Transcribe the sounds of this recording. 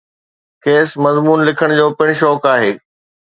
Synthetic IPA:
kʰeːsmɐzmuːnlɪkʰəɽ̃d͡ʑoːpɪɽ̃ʃɔːkaːɦeː

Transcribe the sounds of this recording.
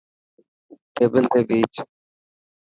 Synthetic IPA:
ʈeːbəlt̪ʰeːbiːt͡ʃ

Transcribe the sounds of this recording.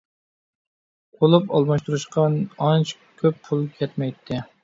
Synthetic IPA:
qʰolˠupɑlˠmɑʃt̪uɾuʃqʰɑnɑnt͡ʃʰ | kʲʰøpʰulˠkʰʲɛt̪mɛjt̪ʰːɪ

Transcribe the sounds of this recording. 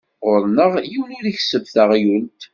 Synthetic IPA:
ʁʊɾnəʁjiwnʊɾiçsəvθəʁjult̪

